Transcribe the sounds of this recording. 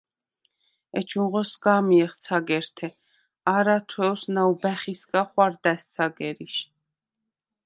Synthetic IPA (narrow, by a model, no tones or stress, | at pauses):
ɛt͡ʃʰunʁɔsɡaːmiɛχt̪sʰaɡɛɾt̪ʰɛ | aɾat̪ʰwɛwsnaubæχiskaχwaɾd̪æst̪sʰaɡɛɾiʃ